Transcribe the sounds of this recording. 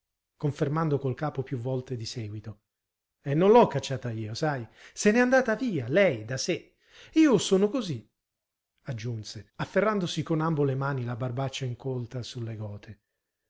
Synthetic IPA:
koɱfermand̪okolkaːpopjuvːɔlt̪ed̪isɛːɡwit̪o | ɛnːonlɔkːat͡ʃːaːt̪aiːosajsenɛand̪aːt̪aviːalɛjd̪ase | iːosoːnokozi | ad͡ʒːunseafːerːand̪osikonambolemaːnilabarbat͡ʃːaiŋkolt̪asulːeɡɔːt̪ʰe

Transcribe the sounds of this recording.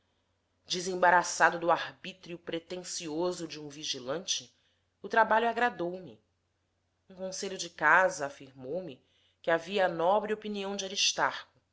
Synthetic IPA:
d͡ʒɪzẽbaɾasad̪ʊd̪ʊahbit̪ɾiʊpɾet̪ẽsiozʊd͡ʒɪũviʒilɐ̃nt͡ʃɪ | ʊt̪ɾabaʎʊaɡɾad̪owmɪ | ũkõseʎʊd͡ʒɪkazɐːfiɾmowmɪ | kɪaviɐːnɔbɾɪopiniɐ̃w̃d͡ʒaɾiʃt̪aɾkʊ

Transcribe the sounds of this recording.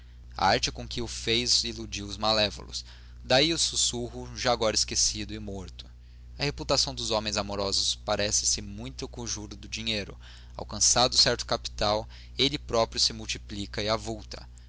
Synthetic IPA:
a̰aɾt͡ʃɪkõkɪʊfejzilud͡ʒiwʊzmalɛvo̰lʊ̰s | d̪aiʊsusuɦʊʒaːɡɔɾɐɪskesid̪ʊɪmoɾt̪ʊ̥ | ɐheput̪asɐ̃w̃d̪ʊzõmẽj̃zamoɾɔzʊspaɾɛsɪ̥sɪmũj̃t̪ʊakõʒuɾʊd̪ʊd͡ʒiɲejɾʊ̰ | a̰wkɐ̃sad̪ʊsɛɾt̪ʊ̥kapi̥t̪aw | elɪpɾɔpɾjʊsɪmuwt͡ʃiplikɐɪavuwt̪ɐ̥

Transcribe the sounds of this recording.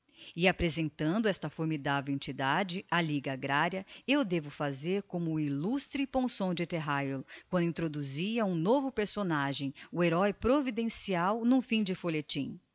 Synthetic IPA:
ɪapɾezẽnt̪ɐ̃nd̪ʊɛst̪ɐfoɾmid̪avewẽnt͡ʃid̪ad͡ʒɪaliɡɐaɡɾaɾjɐewd̪evʊfazeɾkõmʊilust̪ɾɪpõsõw̃d͡ʒɪt̪eɦajolkwɐ̃nd̪ʊĩt̪ɾod̪uziɐũnovʊpeɾsonaʒẽj̃ʊeɾɔjpɾovid̪ẽsiawnũfĩd͡ʒɪfoʎet͡ʃĩ

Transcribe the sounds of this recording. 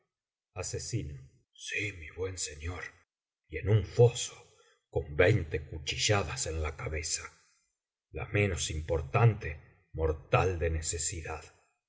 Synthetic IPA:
asesino | simiβwe̞nseɲo̞ɾ | ie̞nuɱfo̞so̥ | ko̞mbejnt̪ekut͡ʃiʒaðase̞nlakaβe̞sa | la̰mẽ̞nosimpo̞ɾt̪ant̪e | mo̞ɾt̪ald̪e̞nesesiðað

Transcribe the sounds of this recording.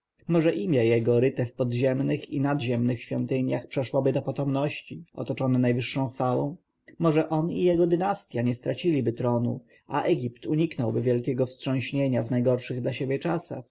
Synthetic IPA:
mɔʐɛʔimʲjɛjɛɡɔɾɘt̪ɛfpɔd̪ʑɛmnɘxinad̪ʑɛmnɘxɕfʲjɔnt̪ɘɲjaxpʂɛʂwɔbɘd̪ɔpɔt̪ɔmnɔɕt͡ɕiʔɔ̰t̪ɔt͡ʂɔnɛnajvɘʂːɔ̃w̃xfawɔ̃w̃ | mɔʐɛʔɔnḭjɛɡɔd̪ɘnast̪ʲjaɲɛst̪ɾat͡ɕilʲibɘt̪ɾɔnṵ | ʔa̰ʔɛɡʲipt̪uɲiknɔwbɘvʲjɛlkʲɛɡɔfstʂɔ̃w̃ɕɲeɲavnajɡɔɾʂɘɣd̪laɕebʲjɛt͡ʂasa̰x

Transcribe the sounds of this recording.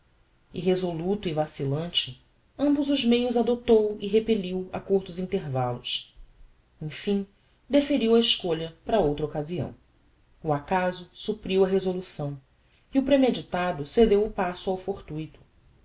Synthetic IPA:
ɪɦezolut̪ʊivasilɐ̃nt͡ʃɪ | ɐ̃mbʊzʊzmejʊzad̪ot̪owɪɦepeʎiwa̰kuɾt̪ʊzĩnt̪eɾvalʊs | ẽfĩŋ | d̪efeɾiwɐɪʃkoʎɐpɾɐowt̪ɾɐokaziɐ̰̃w̃ | uakazʊsupɾiwɐɦezolusɐ̃w̃ | iʊpɾemed͡ʒit̪ad̪ʊsed̪ewʊpasʊawfoɾt̪ujt̪ʊ̥

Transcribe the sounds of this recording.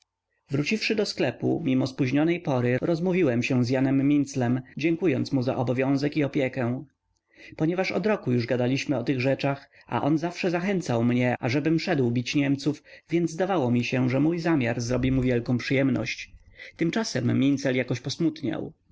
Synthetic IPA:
vɾut͡ɕifʂɘd̪ɔsklɛpṵmʲimɔspuʑɲɔnɛjpɔɾɘɾɔzmuvʲiwɛmɕɛ̃zjanɛmːʲint̪slɛmd͡ʑɛŋkujɔnt̪smuza̰ʔɔbɔvʲjɔ̃w̃zɛkiɔpʲjɛkɛ̃ | pɔɲɛvaʂɔ̰d̪ɾɔkujuʐɡad̪alʲiɕmɘɔt̪ɘɣʐɛt͡ʂax | a̰ʔɔnzafʂɛzaxɛnt̪sawmɲɛaʐɛbɘmʂɛd̪wbʲit͡ɕɲɛmt̪sufvʲjɛnd̪zd̪avawɔmʲiɕɛʐɛmujzamʲjaɾzɾɔbʲimuvʲjɛlkɔ̃w̃pʂɨjɛmnɔ̰ɕt͡ɕt̪ɘmt͡ʂasɛmːʲint̪sɛljakɔɕpɔsmut̪ɲa̰w

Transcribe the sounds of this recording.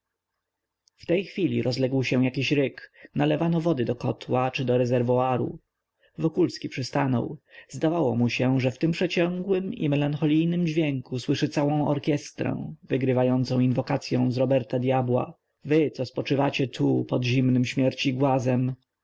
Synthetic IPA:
ft̪ɛjxfʲilʲḭɾʔɔzlɛɡwɕɛ̃w̃jakʲiɕɾɘknalɛvanɔvɔd̪ɘd̪ɔkɔt̪wat͡ʂɘd̪ɔɾɛzɛɾvɔaɾṵ | vɔkulskʲipʂɘst̪anɔ̰wzd̪avawɔmuɕɛʐɛft̪ɘmpʂɛt͡ɕɔŋɡwɘmḭmɛlaŋxɔlʲijnɘmd͡ʑvʲjɛŋkuswɘʂɘt̪sawɔ̃w̃ɔ̰ɾkʲjɛst̪ɾɛ̰̃vɘɡɾɘvajɔnt̪sɔ̃w̃invɔkat̪sʲjɔ̃w̃zɾɔbɛɾt̪ad̪ʲjabwa̰ | vɘt̪sɔspɔt͡ʂɘvat͡ɕɛt̪ʰupɔd̪ʑimnɘmɕmʲjɛɾt͡ɕiɡwazɛm

